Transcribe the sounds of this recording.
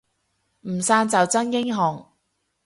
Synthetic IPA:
m̩˨˩saː˧nt͡sɐ˨wt͡sɐ˥njɪ˥ŋɦɔː˨ŋ

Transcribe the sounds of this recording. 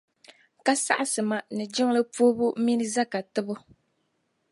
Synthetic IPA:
ka˦sa̰˦ʔa˨sɨ˨ma˨nɨ˨d͡ʒɪ˦ŋ˦lɨ˦poː˦bʊ˦m˦mi˦nɨ˦za˦ka˨tɨ˦bʊ˦

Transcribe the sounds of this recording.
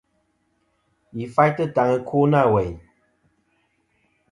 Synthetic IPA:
i˨fa˦jtɨ˦˨ta˨ŋə˧kʰu˦na˦˨we˨j

